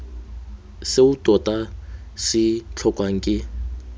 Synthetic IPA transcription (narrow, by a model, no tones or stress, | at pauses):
seutʼɔtʼasɪt͡ɬʰɔkʼwaŋ̩kʼɪ